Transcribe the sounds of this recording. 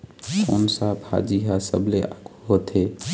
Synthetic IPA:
koːnsaːbʱha̰ːd͡ʒiːɦaːsəbʱleːakʰːoːt̪ʰeː

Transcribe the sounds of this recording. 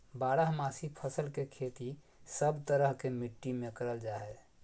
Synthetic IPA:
baɽəɦmasipʰəsəlkekʰet̪i | səbt̪əɾəɦkemiʈːimekəɾəld͡ʒaɦɛ

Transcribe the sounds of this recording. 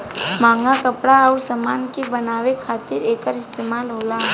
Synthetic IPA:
mãːŋɡakəpɽaəusəmaːnkibənaːʋekʰaːt̪ɪɾeːkəɾɪst̪eːmaːlɦoːla

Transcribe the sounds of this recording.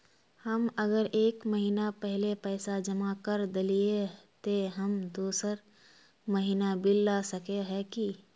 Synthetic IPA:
həməɡəɾʔeːkməɦiːnapɛɦɪlepɛːsad͡ʒəmakəɾd̪ɪliet̪eɦɐmd̪uːsəɾ | məɦiːnabɪlːasɐkeɦɛki

